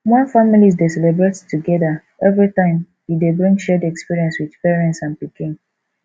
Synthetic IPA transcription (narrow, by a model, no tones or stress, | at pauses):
mãfamilizdesɛlebɹettːuɡɛda | ɛvɹitãɪ̃m | hidebɹĩŋɡʃɛdɛkspiɹiɛ̃nswiðpɛɹɛ̃ntsãnpikĩŋ